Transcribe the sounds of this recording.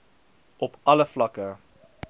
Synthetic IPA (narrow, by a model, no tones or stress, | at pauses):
ʔɔpɐləflɐkə